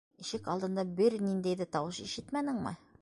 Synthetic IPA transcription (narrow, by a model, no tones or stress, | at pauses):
iʃɘkɑlˠd̪ɤ̆nd̪ɑbɘɾnind̪æjðæt̪ɑwɤʃiʃɘt̪mænɘ̆ŋmɘ̰